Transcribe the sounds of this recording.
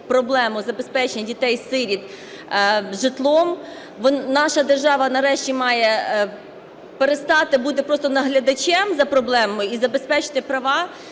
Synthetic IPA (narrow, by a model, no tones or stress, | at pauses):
pɾɔblˠɛmʊzɐbespɛt͡ʃenʲɐdʲit̪ɛjsɪɾʲid̪ | ʒɪt̪lˠɔm | ʋɔnnɑʃɐd̪erʒɑʋɐnɐɾɛʃtʲimɑjɛ | peɾest̪ɑt̪ɪbud̪ɛpɾɔst̪ɔnɐɦlʲɐd̪ɐt͡ʃʲɛmzɐpɾɔblˠɛmɔmʊizɐbespɛt͡ʃɪ̥t̪ɪpɾɐʋɑ